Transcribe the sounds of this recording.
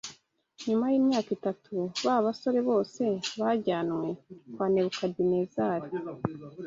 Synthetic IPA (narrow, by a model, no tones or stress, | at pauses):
ɲumajiːmɲaːkitatʰuβaβaso̞ɾe̞βo̞ːse̞βaɟaːnwe̞kwaːne̞βukadine̞zaːɾi